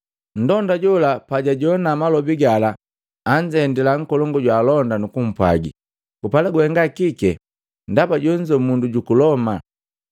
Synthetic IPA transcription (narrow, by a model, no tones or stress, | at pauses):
n̩dɔndaɟɔlapaɟaɟɔnamalɔbiɡalaː | ɲd͡ʒɛndilaŋ̩kɔlɔŋɡɔɟwaːlɔndanukum̩pwa̰ɡḭ | kupalaɡwɛŋɡakikɛ | ndabaɟɔɲd͡ʒɔmunduɟukulɔma